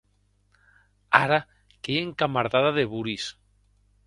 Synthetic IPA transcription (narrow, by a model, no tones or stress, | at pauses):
aɾa | keeŋkamaɾðaðaðeβuɾis